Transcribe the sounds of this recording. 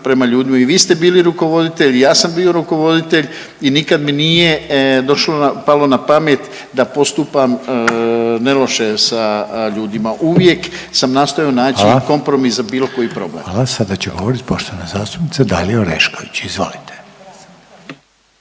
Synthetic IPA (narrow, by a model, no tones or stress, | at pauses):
pɾe̞maʎuːd̪imaiʋiːst̪e̞biːliɾuko̞ʋo̞d̪it̪e̞ʎijaːsambiːo̞ɾuko̞ʋo̞d̪it̪e̞ʎ | inikad̪minije̞d̪o̞ʃloapalo̞napamet̪ | d̪apo̞st̪upam | ne̞lo̞ʃe̞saʎuːd̪imaʔuʋje̞ksamnaːst̪ojonaːt͡ɕiko̞mpɾo̞miszabiːlo̞ko̞jipɾo̞̰blḛalasad̪at͡ɕeɡo̞ʋoɾit̪ʲpoʃt̪oʋanazaːst̪u̥pnit̪sad̪a̰lieoɾḛʃkoʋit͡ɕizʋo̞̰lit̪ʰe̥